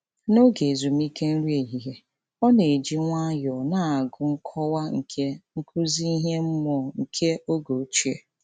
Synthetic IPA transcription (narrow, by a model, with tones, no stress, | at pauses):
no˦ɡe˨zu˨m̩˦i˦ke˦n̩˦ɾi˦e˨ɦi˨ɦe˨ | ɔ˦ne˨e˨d͡ʒi˦ŋʷa˦jɔ˨na˨a˨ɡʊ˨ŋ̩˦kʰɔ˦wa˦ŋ̩˨kʰe˦ŋ̩˦kʰu˦zi˦i˦ɦe˦m̩˦mɔ˦˨ŋ̩˨kʰe˦o˦ɡo˨t͡ʃi˦e˦˨